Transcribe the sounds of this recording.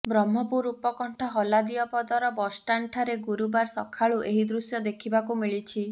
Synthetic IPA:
bɾɔmːɔpuɾupɔkɔɳʈʰɔɦɔlad̪iɔpɔd̪ɔɾɔbɔsʈaɳʈʰaɾeɡuɾubaɾsɔkʰaɭuʔeɦid̪ɾusjɔd̪ekʰibakumiɭit͡ʃʰi

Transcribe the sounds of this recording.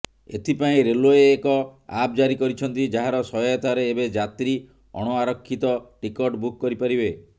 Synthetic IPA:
ḛt̪ʰipaĩɾeloeːkɔap̚d͡ʒaɾikɔɾit͡ʃʰɔnt̪id͡ʒaɦaɾɔsɔjɔjat̪ʰaɾeːbed͡ʒat̪ɾi | ɔ̰ɽ̃ɔaɾɔkʰːit̪ɔʈikɔʈbukːɔɾipaɾibe

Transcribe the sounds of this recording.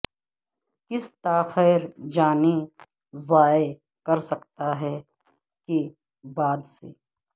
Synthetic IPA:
kɪst̪aːxɛːɾd͡ʒaːni | zaːe | kɐɾsɐkt̪aɦɛ | ke | baːd̪sḛː

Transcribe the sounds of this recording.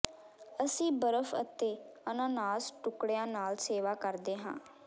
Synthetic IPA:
əsĩːbəɾəfʰə̰t̪eːənãːnaːsʈʊkɽejãːnaːlseːʋaːkəɾd̪eːɦã̰ː

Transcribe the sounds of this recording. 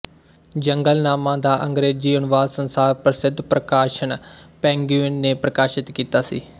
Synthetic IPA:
d͡ʒəŋɡəlnaːmãːd̪aːʔəŋɡɾeːd͡ʒiːʊnʋaːd̪sənsaːɾpɾsɪd̪ʱːpɾəkaːʃəɳpɛ̃ːŋɡjuːɪnːeːpɾəkaːʃɪt̪kiːt̪aːsḭː

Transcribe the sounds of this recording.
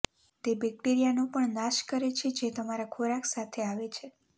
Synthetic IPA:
t̪ebɛk̚ʈeɾijanõpəɳnaʃkəɾet͡ʃʰed͡ʒet̪əmaɾakʰoɾaksat̪ʰeaʋet͡ʃʰe

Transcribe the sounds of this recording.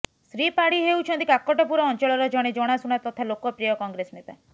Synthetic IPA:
sɾipaɽiɦewt͡ʃʰɔnt̪ikakɔʈɔpuɾɔːnt͡ʃɔɭɔɾɔd͡ʒɔɽ̃ed͡ʒɔɽ̃asuɽ̃at̪ɔt̪ʰalokɔpɾijɔkɔŋɡɾesnet̪a̰

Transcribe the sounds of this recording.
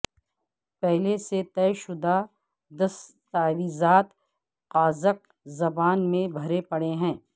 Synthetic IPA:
pɛɦleset̪ɛːʃʊd̪a | d̪ɐs | t̪aːɾiːzaːt̪ | qaːzək̚ | zɐbaːnmẽbʱɐɾepɐɽeɦɛ̃ː

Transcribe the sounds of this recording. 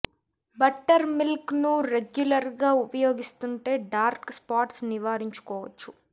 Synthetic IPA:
bɐʈːɐɾmilknuɾeɡjulɐɾɡaːupɐjo̞ːɡist̪uɳʈe̞ːɖaːɾkspaːʈsniʋaːɾiɲt͡ʃu̥kɔːʋɐt͡ʃːu

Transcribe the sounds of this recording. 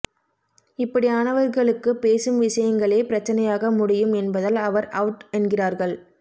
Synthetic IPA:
ɪpːɐɽiaːnɐʋɐɾɣɐɭɯkːɯpeːsɯmʋɪʂɐjɐŋɡɐɭeːpɪɾɐt͡ʃːɐnɐjaːɣɐmʊɽɪjɯmɛnbɐðɐlɐʋɐɾɐʊʈɛnɡɪraːɾɣɐɭ

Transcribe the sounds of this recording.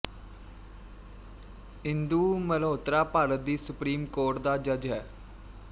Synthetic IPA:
ɪ̃nd̪uːməloːt̪ɾaːpaːɾət̪̚d̪iːsʊpɾiːmkoːʈd̪aːd͡ʒəd͡ʒɦɛː

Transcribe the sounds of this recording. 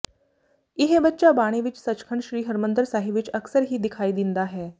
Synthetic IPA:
iɦebətːʃabaɽ̃eʋit͡ʃsət͡ʃkʰəɳɕɾiːɦəɾmənd̪ɾsaːɦiʋit͡ʃəksəɾɦiːd̪ɪkʰaːid̪ind̪aɦɛː

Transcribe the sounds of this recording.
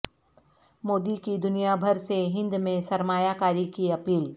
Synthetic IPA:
moːd̪ikid̪ʊnijabʱɐɾseɦɪ̃nd̪mẽsɐɾmaːjakaːɾikiɐpiːl

